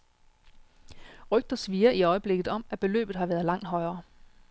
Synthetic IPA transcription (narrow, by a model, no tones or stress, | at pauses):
ʁœɡ̥̚d̥ɐsʋiːɐiɒ̽ɪəb̥le̝ɡ̥ð̩ˠɒ̽mæb̥e̝lø̰ːb̥ð̩ˠhɑ̈ʋæːɐðˠlɑ̈ŋ̰d̥ɦɒ̽ɪɐː